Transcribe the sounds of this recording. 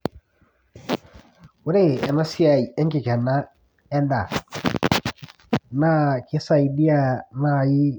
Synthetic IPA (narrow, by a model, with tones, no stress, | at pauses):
u˨˦ɾe˦˨ɛ˨na˦si˦a˨i˨ɛ˦ŋkɪ˨kɛ˨na˦ | ɛ˦nda˨ | na˦kɪ˦sa˦˨i˨di˦a˨na˦˨ji˦